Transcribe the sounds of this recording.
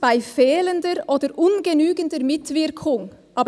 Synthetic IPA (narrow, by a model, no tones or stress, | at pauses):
b̥aɪfɛːləndəɾʔoːdəɾʔʊnɡənyːɡəndəɾmɪtvɪʁkʰʊŋʔɑːb